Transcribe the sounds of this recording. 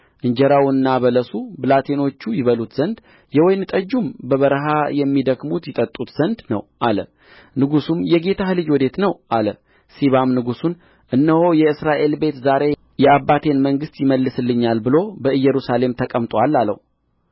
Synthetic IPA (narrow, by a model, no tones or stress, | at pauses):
ʔɨɲd͡ʒɛɾawnːaβələsubɨlat̪ʰeno̞t͡ʃːujɪβəlut̪z̥ənd̪ | jɛwɔjnɨt̪ʼəd͡ʒːumbəβəɾɦajɛmːid̪əɡmut̪jɪt̪ʼət̪ʼːut̪z̥ənd̪nə̰wʔalə̰ | nɨɡusumjɛɡe̞t̪ʰahɨlɨd͡ʒwɔd̪e̞t̪nəwʔalə | siβamnɨɡusun | ʔɨnːəho̞jɛɨsɾaʔe̞lbe̞t̪zaɾe̞ | jɛabːat̪ʰe̞nməŋɡɨst̪jɪməlːɨsɨlːɨɲːalbɨlo̞bəɨjːɛɾusale̞mt̪ʰəkʼəmt̪ʼwalːalːə̰hu